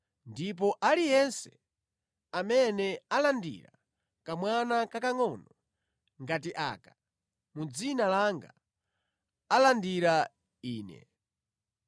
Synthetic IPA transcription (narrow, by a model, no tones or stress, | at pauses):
ndip̬ɔʔalijɛnsɛ | amɛnɛalandḭɾa̰ | kamwanakakaŋɔnɔ | ŋɡatiʔa̰ːkḁ | mud͡zinalaŋɡa | alandiɾa | iːnɛ̰